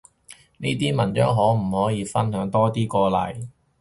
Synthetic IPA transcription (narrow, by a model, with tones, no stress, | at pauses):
niː˥t̪iː˥mɐ˨˩nt͡ʃœː˨˥ŋɦɔː˨˥m̩˨˩hɔː˨˥jiː˨˧fɐ˥nɦœː˨˥ŋt̪ɔː˥t̪iː˥kɔː˧lɐ̰˨˩j